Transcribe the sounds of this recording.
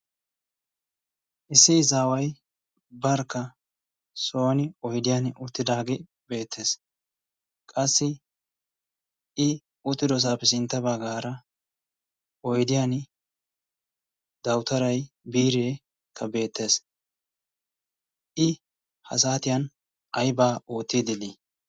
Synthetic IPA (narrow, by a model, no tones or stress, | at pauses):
ʔɪsːɪɪzaːwɐj | bɐɾkːɐ | so̞ːnɪɔjd̪ɪjanʊt̪ːɪd̪aːɡɛ | be̞ːt̪ʰːe̞ːs | kʼɐsːɪ | ɪ | ʊt̪ːɪd̪ɔs̬aːpːɛsɪnt̪ːɐbaɡaːɾɐ | ɔjd̪ɪjan | d̪ɐwt̪ɐɾɐj | biːɾeː | kʰːɐbe̞ːt̪ːe̞ːs | ʔɪ | hɐ̰saːt̪ɪjɐn | ɐjbaːʔoːt̪ːid̪ɪd̪i